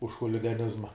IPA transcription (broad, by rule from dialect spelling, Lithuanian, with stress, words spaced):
ʊʃ xʊlʲɪɡɐˈnʲɪzmɐ